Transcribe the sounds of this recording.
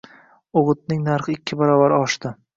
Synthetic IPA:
oʁɨt̪̚nɪŋnaɾχɨɪkʲʰːɪbaɾɒvaɾɪɒʃt̪ɪ

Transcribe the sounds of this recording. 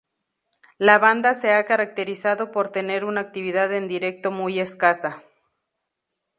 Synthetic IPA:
laβand̪ase̞akaɾak̚t̪e̞ɾisaðo̞po̞ɾt̪e̞ne̞ɾunaːk̚t̪iβ̞iðaðe̞nd̪iɾe̞k̚t̪o̞muje̞skasa

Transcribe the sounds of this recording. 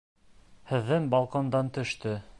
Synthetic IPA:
hɘ̆ðːɘŋbɑlˠqond̪ɑnt̪ɵ̆ʃt̪ɵ

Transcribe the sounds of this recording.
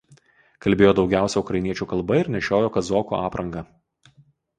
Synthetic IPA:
kɐlʲbʲeːjoːd̪ɒʊɡʲæˑʊsʲɛʊkɾɐɪnʲiɛt͡ʃʲuːkɐlˠˑbɐɪɾnʲɛʃʲoːjoːkɐzoːkoːɑːpɾʔɐŋɡɐ

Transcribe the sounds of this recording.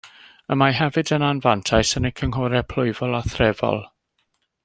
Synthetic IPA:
əmaɦɛvɨdənanvantʰajsənəkʰəŋɦɔɾɛpʰl̥ˠʊɨvɔlˠaθrɛvɔ̰lˠ

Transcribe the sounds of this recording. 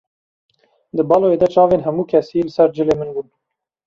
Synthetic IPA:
d̪ɨbɑlojed̪ɛt͡ʃɑːveːnɦɛmuːkʰɛseelɨsɛɾd͡ʒɨleːmɨnbuːn

